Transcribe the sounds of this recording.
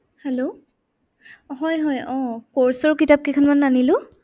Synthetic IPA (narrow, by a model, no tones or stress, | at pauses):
hɛlo | ɦɔjɦɔjɔ̃kɔɹsɔɹkitap̚kikʰɔnmanːanilʊ̃